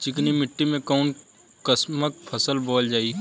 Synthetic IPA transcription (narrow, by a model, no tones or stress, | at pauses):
t͡ʃɪknimɪʈːimẽkɔːn | kəsmək̚pʰəsəlbɔːld͡ʒaːi